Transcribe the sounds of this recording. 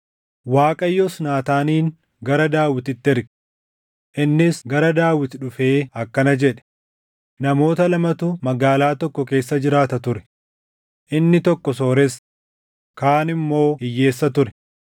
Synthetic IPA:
waːkʼɐjːɔsnaːt̪aːniːŋ | ɡɐɾɐd̪aːwɪt̪ɪt̪ːɛɾɡ | ʔɪnːɪsɡɐɾɐd̪aːwɪt̪ᶑʊfeːɐkːɐnɐd͡ʒɛᶑɛ̥ | nɐmo̞ːt̪ɐlɐmɐt̪ʊmɐɡaːlaːt̪ɔkːɔke̞ːsːɐd͡ʒɪɾaːt̪ɐt̪ʊɾɛ̥ | ʔɪnːɪt̪ɔkːɔso̞ːɾɛs | kaːnɪmːo̞ːɪjːe̞ːsːɐt̪ʊɾɛ

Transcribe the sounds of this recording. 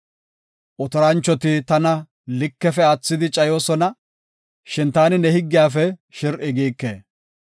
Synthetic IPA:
ʔɔt̪ɔɾɐnt͡ʃːɔt̪ɪt̪ɐnɐ | lɪkːɛfɛɐt͡sːɪd̪ɪt͡ʃʼɐjo̞ːsɔnɐ | ʃɪnt̪aːnɪnɛhɪɡːɪjaːfɛʃɪɾʔɪɡiːkːḛː

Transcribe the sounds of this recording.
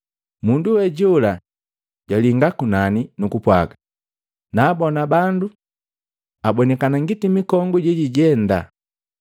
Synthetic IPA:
munduwɛɟula | ɟwaliŋɡakunaninukupwa̰ɡa | naːbɔnabandu | abɔnɛkanaŋɡitimikɔŋɡuɟɛɟiɟɛnda̰

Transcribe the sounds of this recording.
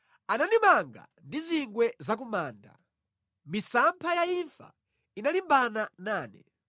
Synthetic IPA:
ananimaŋɡa̰ | ndiziŋɡwɛzak̬umaːnda̰ | misampʰajaiɱfa̰ | inalimbananaːnɛ̰

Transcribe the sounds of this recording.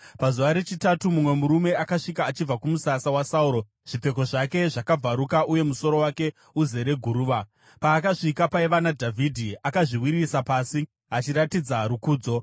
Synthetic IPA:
pazuʋaɾe̞t͡ʃitatumumwe̞muɾume̞akaʂikaːt͡ʃib͡vakumusasawasauɾo̞ | ʐ̥ip͡fe̞ko̞ʐake̞ʐakab͡vaɾukaʔuje̞muso̞ɾo̞wake̞ | uze̞ɾe̞ɡʱuɾuːʋa | paːkaʂikapaiʋanadʱavʱidʱiakaʐiwiɾisapaːsi | at͡ʃiɾatid͡zaɾukuːd͡zo̞

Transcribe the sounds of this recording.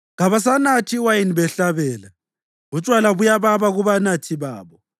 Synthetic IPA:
ɣaβas̬anatʰiwajiniβɛɬaβɛːla | ɣut͡ʃʼwalaβujaβaβaɣuβanatʰiβaːβɔ

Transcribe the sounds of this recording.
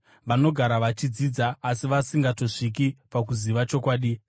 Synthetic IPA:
ʋano̞ɡʱaɾaʋat͡ʃid͡ziːd͡zaːsiʋasiŋɡato̞ʂik̬ipak̬uziʋat͡ʃo̞kwaːɗi

